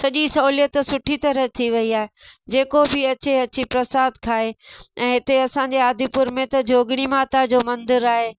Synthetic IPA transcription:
sɐʄisɐulijət̪sʊʈʰit̪ɐɾət̪ʰiʋɐiaːɦed͡ʑeːkobɪɐt͡ɕeɐt͡ɕipɾɐsaːd̪kʰaːɦeɛ̃ːɦɪt̪eɐsãɲd͡ʑeaːd̪ʱipʊɾmẽt̪ɐd͡ʑʱoːɡɽ̃imaːt̪ad͡ʑoːmɐ̃nd̪ɪɾaːɦeː

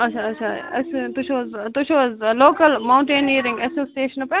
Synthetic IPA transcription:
ɐʃʰaɐtːʃʰaɐst̪ut͡ʃʰoːzt̪ut͡ʃʰozloːkəlmaw̃ɳʈẽːniːɾɪ̃ŋɡesoːsieːʃɐnɐpẽ

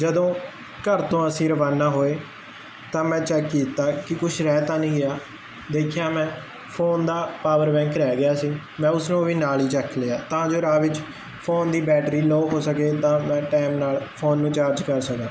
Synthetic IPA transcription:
d͡ʒəd̪õː | kəɾt̪õːəsĩːɾəʋaːnaːɦoːeː | t̪ãːmɛ̃ːt͡ʃɛːkːiːt̪aːkɪkʊʃʰɾɛːt̪aːnĩːɡɪjaː | d̪eːkʰjaːmɛ̃ː | pʰoːnd̪aːpaːʋəɾbɛ̃ːŋkɾɛːɡɪjaːsiː | mɛ̃ːʊsnũːʋiːnaːliːt͡ʃəkʰːleːaːt̪ãːd͡ʒoːɾãːʋɪt͡ʃ | pʰoːnd̪iːbɛːʈɾiːloːɦoːsəkeːt̪ãːmɛ̃ːʈɛːmnaːlpʰoːnːũːt͡ʃaːɾd͡ʒkəɾsəkãː

